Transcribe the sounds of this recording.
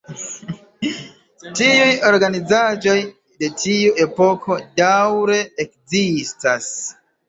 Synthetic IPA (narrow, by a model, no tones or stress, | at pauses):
tiujo̞ɾɡanizad͡ʒo̞j | de̞tʰiuʔe̞po̞kʰo̞dawɾe̞ːk̚zistas